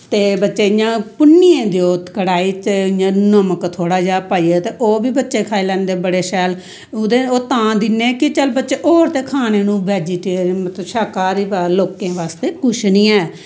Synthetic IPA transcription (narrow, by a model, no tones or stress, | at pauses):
t̪eːbətːʃeːɪjãːpʊnːiẽːd̪eoːt̪kəɽaːiːt͡ʃeɪjãːnəməkt̪ʰoːɽaːd͡ʒaːpaːiːɛːt̪eːʔoːbiːbətːʃeːkʰaːiːlɛːnd̪eːbəɽeːʃɛːl | ʊd̪eːoːt̪ãːd̪ɪnːẽːkɪt͡ʃəlbətːʃeːʔoːɾt̪eːkʰaːneːnũːʋɛːd͡ʒiːʈeːɾmət̪ləʃaːkaːɾiːbaːloːkẽːʋaːst̪eːkʊʃnĩːɛː